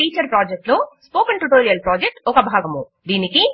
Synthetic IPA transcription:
ʈiːt͡ʃɐɾpɾaːd͡ʒek̚ʈloːspoːkɐɳʈuʈoːɾijɐlpɾaːd͡ʒek̚ʈɔkɐbʱaːɡɐmu | d̪iːniki

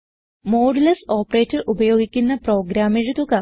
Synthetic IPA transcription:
moːɽilɐso̞ːpreːtːɐʔubɐjo̞ːɡikʲːunːɐpro̞ːɡɾaːmiɻut̪ukɐ

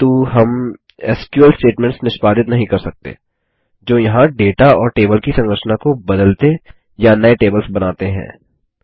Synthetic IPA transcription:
t̪uːɦɐm | ɛ̰ːskjuəlsʈeːʈmɛ̃ɳʈsnɪʃpaːd̪ɪt̪nɐɦĩkɐɾsɐk̚t̪ḛː | d͡ʒoːjɐɦãɖeːʈaɔːɾʈeːbəlkisɐ̃ŋɡɾəʃnakobɐd̪əlt̪e | janɐeʈeːbəlsbɐnaːt̪eɦɛ̰̃ː

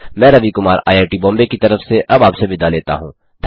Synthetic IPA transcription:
mɛ̃ːɾɐʋikʊmaːɾa̰ːjaːʈibɔ̃ːmbekit̪ɐɾəfseʔɐbaːpsebʱɪd̪aleːt̪a̰ɦũː | d̪̥ʰʱ

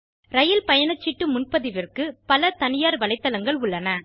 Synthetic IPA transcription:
ɾɐjɪlpɐjɐnɐt͡ʃːɪʈːɯmʊnpɐðɪʋɪrkɯpɐlɐt̪ɐnɪjaːɾʋɐɭɐɪt̪ːɐlɐŋɡɐɭʊɭːɐnɐ

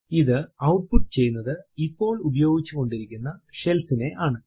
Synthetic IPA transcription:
iðɨɐwʈ̚puʈːɨt͡ɕejːunːɐðɨipːo̞ːɭubɐjo̞ːɡit͡ɕːuko̞ɳɖiɾikʲːunːɐʂe̞lsine̞ʔaːɳɨ

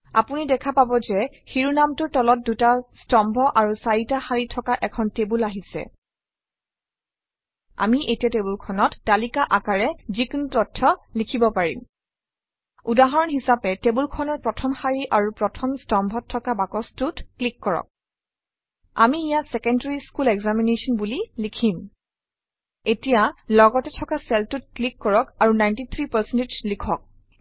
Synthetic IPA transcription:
a̰punidɛkʰapabɔzɛ | xiɹunamtʊtɔlɔt̚dutastɔmbʱɔʔaɹusajitaxaɹitʰɔkaʔɛkʰɔntebulaɦisɛ̰ | a̰miʔetɛtebulkʰɔnɔtːalikaʔakaɹɛzikntɔtʰːɔlikʰibɔpaɹḭm | udaɦɔɹɔnɦisapɛtebulkʰɔnɔpɹɔtʰɔmhaɹiʔaɹupɹɔtʰɔmstɔmbʱɔtʰːɔkabakɔstutklikːɔɹɔ̰k̚ | a̰miːjatsɛkɛndaɹiskulɛɡzaminesɔnbulilikʰim | etijalɔɡɔtɛtʰɔkasɛltut̚klikːɔɹɔkaɹunajntit̪ʰɹipasɛnted͡ʒlikʰɔk̚

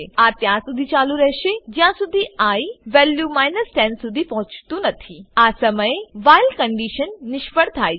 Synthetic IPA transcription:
eat̪jãsud̪ʱit͡ɕaluɾəɦʃed͡ʒjãsud̪ʱiaiʋɛljumaːjnəsʈɛ̃nsud̪ʱipɐɦʊ̃t͡ʃt̪ũnət̪ʰiasəməjeʋajlkəɳɖiʃənːɪʃpəɽt̪ʰa

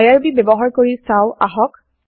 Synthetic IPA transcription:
jaɹbibebɔɦaɹkoɹisaʊa̰ɦɔk̚

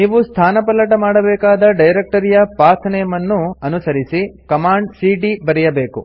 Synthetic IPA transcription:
niːʋust̪ʰaːnɐpɐlːɐʈɐmaːɽɐbɛːkaːd̪ɐɖɐjɾek̚ʈɐɾijɐpaːɾt̪ʰɐnejɐmɐnːuɐnusɐɾisikɐmaːɳɖsiːʈibɐɾɛjɐbe̞ːkṵ

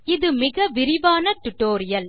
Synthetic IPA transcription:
ɪðɯmɪɣɐʋɪɾɪʋaːnɐʈ̪ʊʈːoːɾɪjɐl

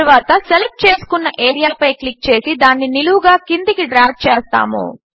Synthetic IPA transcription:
ʋaːt̪ɐselep̚ʈ̚t͡ʃe̞ːsu̥kunːɐʔeːɾijaːpɐjklik̚t͡ʃe̞ːsid̪aːnːiniluʋuɡaːkind̪ikiɖɾaːf̚t͡ʃeːst̪a̰ːmṵ

